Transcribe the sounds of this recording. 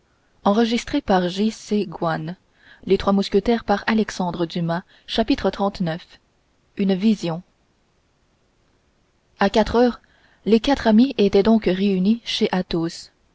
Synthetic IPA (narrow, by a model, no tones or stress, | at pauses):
ɑ̃ʁəʒist̪χepaʁʒiseɡwan | let̪χwamuskʲət̪ɛːʁpaʁalɛksɑ̃d̪ʁəd̪ymã | ʃapit̪χət̪χɑ̃t̪nœf | ynvizjɔ̃ | akat̪χœːʁ | lekat̪χamiet̪ɛd̪ɔ̃kʁeyniʃeʔat̪os